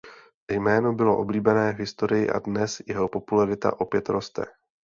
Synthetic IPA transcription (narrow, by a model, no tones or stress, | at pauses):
jmɛːno̞bɪlo̞̰ʔo̞bliːbɛnɛːvɦɪst̪o̞ɾɪjɪ̰ʔa̰dnɛsjɛɦo̞po̞pulaɾɪt̪a̰ʔo̞pjɛt̪ɾo̞st̪ɛ̰